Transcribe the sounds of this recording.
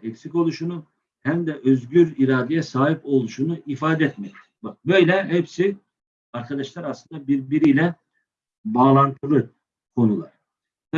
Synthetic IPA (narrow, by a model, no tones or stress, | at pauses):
ɛcsico̞lˠuʃunu | hæmd̪ɛʔøzɟyɾiɾaːd̪ɛjɛsaːɦipo̞lˠuʃunuʔifaːd̪ɛɛt̪̚mɛt̪ | bak̚bø̞jlʲɛhɛpsi | aɾkʰad̪aʃlˠaɾaslˠɯnd̪abiɾbiɾijlʲɛ | baːlˠant̪ʰɯɾɯ | kʰo̞nulˠaɾ̥